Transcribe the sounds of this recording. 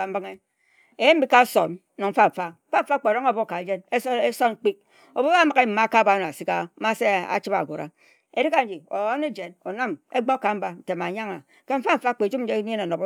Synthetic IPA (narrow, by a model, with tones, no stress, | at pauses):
a˨m̩˦bɨ˦ŋe˦ | e˨je˦m̩˦bi˦ka˦so˨n | no˨ɱ̩˦fa˦ɱ̩˨fa˦m̩˦fa˦fa˦k͡pe˨ɾo˦ŋo˦˨bo˦˨ka˨e˨d͡ʒe˦n˦e˦so˦n˦k͡pi˦k̚ | o˨bo˦a˦ma˨ke˦m̩˨ma˦ka˦˨ba˦n˨a˨si˦ka˦ma˦se˦a̰˨t͡ʃi˦ba̰˨ɡʷo˨ɾa̰˦ | ḛ˨di˦ka˨n̩˦d͡ʒi˨o̰˨˦ne˦d͡ʒe˨no˨na˦me˦ɡ͡bo˦ka˨m̩˦ba˨n̩˨te˨ma˨ɲa˦ŋa˨ | ke˦m̩˦fa˦fa˦˨k͡pe˨d͡ʒu˦e˦e˦na˨no˨b